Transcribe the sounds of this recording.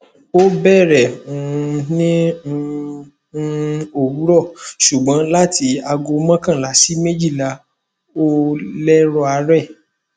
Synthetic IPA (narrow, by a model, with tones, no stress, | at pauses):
o˦bɛ˦˨ɾɛ˨ũ˨˧nĩ˦˧˦ | o˦˨wu˨˦ɾɔ˦˨ʃu˨ɡ͡bã˨˦la˦ti˨˦a˧ɡo˧mã˦kã˦˨la˨˦si˦mẽ˦d͡ʒi˦˨la˧ | o˦lɛ˦ɾɔ˧˦a˧˦ɾɛ˦˨